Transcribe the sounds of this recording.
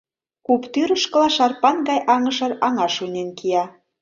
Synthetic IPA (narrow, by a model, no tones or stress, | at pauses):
kupt̪yɾəʃkɤ̆lɑʃɑrpɑnɡɑjʔɑŋə̆ʃɤ̆rɑŋɑʃunʲenkijɑ